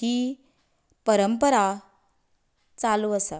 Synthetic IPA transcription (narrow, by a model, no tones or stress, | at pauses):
i | pəɾəmpəɾa | t͡saluəsa